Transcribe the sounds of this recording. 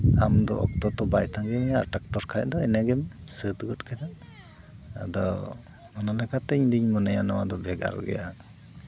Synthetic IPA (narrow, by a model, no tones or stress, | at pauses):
amd̪ɔʔɔk̚t̪ɔt̪ɔbajt̪ʰaŋɡɛmɛa̰ɾʈak̚ʈɔɾkʰajd̪ɔɛnɛɡɛmsət̪ɡɔt̚kʰad̪a | a̰d̪ɔ | mɔnalɛkʰat̪ɛɲd̪iɲmɔnajanɔwad̪ɔbɛɡa̰ɾɔ̰ɡɛ̰ja